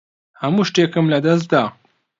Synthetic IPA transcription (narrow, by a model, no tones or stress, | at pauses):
hɐmuːʃt̪ekɨmlɐd̪ɐs̬t̪̚d̪aː